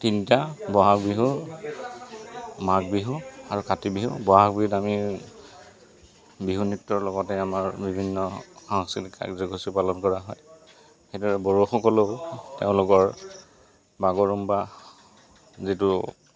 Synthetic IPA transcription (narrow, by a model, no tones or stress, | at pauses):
tintabɔɦakbiɦu | mak̚biɦuaɹukatibiɦubɔɦakbiɦutami | biɦunitːɔɹlɔɡɔtɛamaɹbibʱinːɔxɔŋsilika̰kzɔɡʱosipalɔnkɔɹaɦɔj | xejdɔɹɛbɔɹuxɔkɔloteʊ̃lʊkɔɹ | baɡɔɹumba | zitu